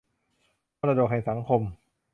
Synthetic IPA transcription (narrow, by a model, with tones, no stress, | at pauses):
pɔː˥˩ɾa˧do˨˩k̚ha˨˩jsa˩˦ŋkʰo˧m